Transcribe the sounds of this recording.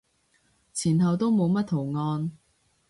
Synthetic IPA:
t͡sʰiː˨˩nɦɐ˨wt̪o˥wmo˨˧wmɐ˥t̚t̪ʰo˨˩wŋɔː˧n

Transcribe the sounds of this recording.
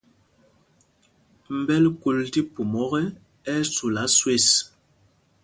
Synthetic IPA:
m̩˨bɛ˦lku˨lti˦pu˨mɔ˦ɣɛ˦ | ɛ˦su˨la˨˦swe˦˨s

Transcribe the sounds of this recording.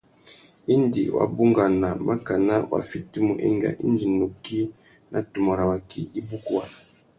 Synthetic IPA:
i˦ndḭ˨wʔa̰˨bu˦ŋɡa˨na˨ma˦ka˨na˦wʔa̰˨˦fi˦ti˦mu˨ʔɛ˦ŋɡa̰˨ʔi˦ndi˨nu˨ki˦ | na˨tu˨mo˨ɾa˨wa˨kḭ˦i˦bu˦ku˦wa˨

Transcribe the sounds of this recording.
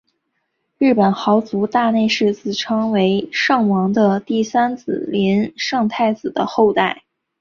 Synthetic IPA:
ɻɻ̩˥˩pə˨˩nxɑ˧˥ʊt͡su˧˥t̪a˥˧ne˥˧ɪʂɻ̩˥˧t͡sɹ̩˥˩ʈ͡ʂʰɑ˥ŋwe˧˥ɪʂɑ˥˩ŋwɑ˧˥ŋd̪ə˧t̪i˥˩sa˥nt͡sɹ̩̰˨˩lɛ˧˥nʂɑ˥˧ŋt̪ʰa˥˩ɪt͡sɹ̩˨˩d̪ə˦xo˥˧ʊt̪a˥˩ɪ

